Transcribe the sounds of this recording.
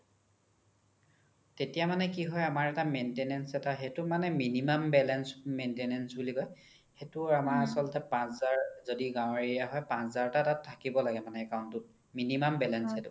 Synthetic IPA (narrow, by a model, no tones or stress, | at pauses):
tetijamanɛkiɦɔjamaɹɛtamentenɛnsɛtaxetʊmanɛminimambɛlɛnsmentenɛnsbulikɔj | xetʊamaɹasɔlɔtɛpãszaɹzodiɡãw̃ɹijaɦɔjpãszaɹtatattʰːakibɔlaɡɛmanɛːkaʊ̃ntʊt̚ | minimambɛlɛnsɛtʊ